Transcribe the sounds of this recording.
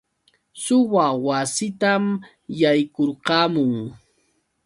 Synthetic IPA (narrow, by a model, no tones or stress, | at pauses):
sʊwawasɪt̪am | jajkoɾqɑːmʊŋ